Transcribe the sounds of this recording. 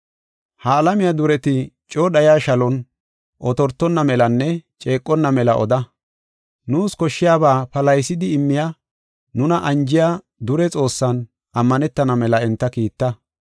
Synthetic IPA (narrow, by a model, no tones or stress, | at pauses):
haːlɐmɪjad̪ʊɾɛt̪ɪ | t͡ʃʼoːɗɐjaːʃɐlɔn | ʔɔt̪ɔɾt̪ːɔnːɐmɛlɐnːɛt͡ʃʼe̞ːkʼːɔnːɐmɛlɐʔɔd̪ɐ | nuːskɔʃːɪjaːbaːpɐlɐjsɪd̪ɪɪmːɪja | nʊnɐʔɐnd͡ʒɪja | d̪ʊɾɛt͡sʼo̞ːsːɐn | ʔɐmːɐnɛt̪ːɐnɐmɛlɐɛnt̪ːɐkiːt̪ːɐ